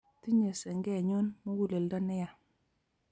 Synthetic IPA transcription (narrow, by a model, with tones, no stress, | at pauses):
ti˦ɲe˨sɛ˨ŋɡɛ˦˨ɲu˦nmu˦ɡu˦˨le˨lda˦nɛ˦ja˨